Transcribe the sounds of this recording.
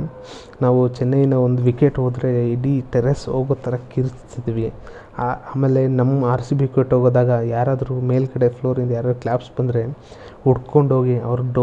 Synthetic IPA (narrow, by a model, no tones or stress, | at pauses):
naːʋut͡ʃɛnːɐjinɐond̪uʋikeʈɦoːd̪ɾe̞iɽiʈeɾɐsoːɡoːt̪ʰːɐɾɐkiɾtsid̪iʋi | aaːmeːlːe̞nɐmːɐaːɾsibikeʈɦoːɡoːd̪aːɡɐjaːɾaːd̪ɐɾume̞ːlkɐɽe̞pʰloːɾind̪ɐjaːɾaːd̪ɾuklʲaːpsbɐnd̪ɾe̞ | uɽko̞ɳɖɦo̞ːɡiɐʋɐɾuɖo